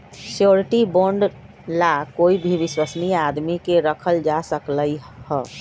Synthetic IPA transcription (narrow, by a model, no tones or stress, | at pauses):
sjoɾʈiboɳɖ | lakoibʱiʋiswəsniad̪mikeɾəkʰəld͡ʒasəkləjhə